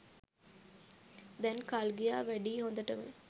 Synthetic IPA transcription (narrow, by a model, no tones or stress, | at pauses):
d̪ɛnkalɡijaːʋɛɖiɦõnd̪ɐʈɐʋḛ